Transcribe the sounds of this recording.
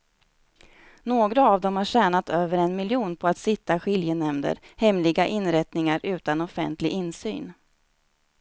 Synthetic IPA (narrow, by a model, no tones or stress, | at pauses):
noːɡɾaavd̪ɔmhaɕæːɳat̪øːvəɾɛnmɪljuːnpʰɔat̪sɪt̪ːaɧɪljənɛmd̪ə̰ɾhɛmlɪɡaʔɪnɾɛt̪nɪŋaɾʔʉ̟ːt̪anɔfɛ̰nt̪lɪɡɪnsy̰ːn